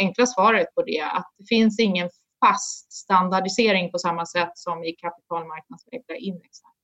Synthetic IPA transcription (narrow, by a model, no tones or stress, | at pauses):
ɛŋklasvɑːɾət̪̚pʰɔd̪ɛa̰t̪̚d̪̥ɛfɪnsɪŋːən | fast̪st̪and̪aɖɪseːɾɪŋpʰɔsamːasɛt̪ːsɔmɪkʰapɪ̥t̪ʰɑːlmaɾk̚nad̪slɛːɡlaʔɪnvɛksan